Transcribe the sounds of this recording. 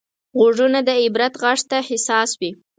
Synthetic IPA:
ɣoʐunad̪əɪbɾat̪ɣaʂt̪ahɪsɑswi

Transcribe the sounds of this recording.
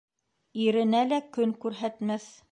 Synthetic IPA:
iɾɘ̆nælækɵŋkʉɾɦæt̪mæθ

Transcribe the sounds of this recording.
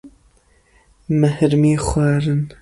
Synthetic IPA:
mɛhɾmiːxwaːɾɨn

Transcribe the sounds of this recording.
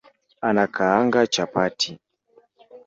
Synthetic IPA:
anakaaŋɡat͡ʃapatʰi

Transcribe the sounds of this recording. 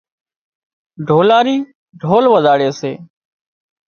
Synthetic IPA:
ɖʱoːlaːɾiː | ɖʱoːlʋəzaːɽeːsḛː

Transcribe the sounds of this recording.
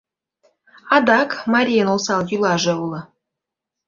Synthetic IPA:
ɑd̪ɑkmɑɾʲijənolˠsɑlˠjulˠɑʒɤ̆ulˠɤ̆

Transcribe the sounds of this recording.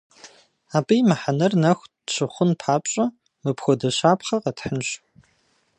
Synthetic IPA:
aːbʼɨjmɐħanɐrnɐxʷ | ɕɨχʷʊnpʰaːpɕʼɐ | mɨpxʷɔdɐɕaːpχɐqɐtʰħənɕ

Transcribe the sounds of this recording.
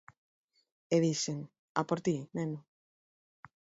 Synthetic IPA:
eðiseŋ | a̰poɾt̪inenu

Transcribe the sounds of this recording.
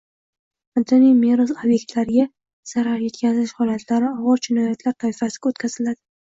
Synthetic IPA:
ant̪ʰonijmeɾosobje̞kʲt̪ʰlaɾɪɡʲa | z̥aɾaɾje̞t̪kʲazɪʃhɒlat̪ʰlaɾɪɒwɑɾt͡ʃʰɪnɒjat̪ʰlaɾt̪ʰajfasɪɡʲaot̪kʲʰaz̥ɪlad̪ɪ

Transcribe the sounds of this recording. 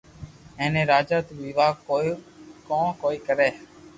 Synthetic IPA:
ẽːnẽːɾaːd͡ʒaːt̪oʋiːʋaːokõːkoːiːkəɾeː

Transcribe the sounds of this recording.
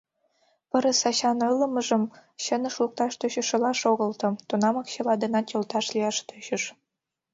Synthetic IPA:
pɤ̆ɾə̆sɑɕɑnɤ̆lːɤ̆mɤ̆ʒɤ̆mɕə̆nə̆ʃluk̚t̪ɑʃt̪øɕə̆ʃɤ̆lɑʃoɣɤ̆lˠt̪ɤ̆t̪unɑmɑkɕɤ̆lˠɑd̪ɤ̆nɑt͡ɕʲŏlt̪ɑʃlʲijɑʃt̪øɕə̆ʃ

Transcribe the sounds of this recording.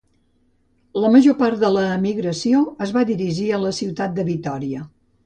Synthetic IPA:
ləməʒopaɾt̪d̪ələːmiɣɾəsioəzβaðiɾiʒiələsiwt̪at̪̚d̪əβit̪ɔɾiə

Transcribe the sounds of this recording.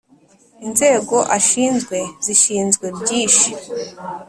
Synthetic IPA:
inze̞ːɡo̞ʔaʃiːnzɡwe̞ziʃiːnzɡwebɟiːʃi̥

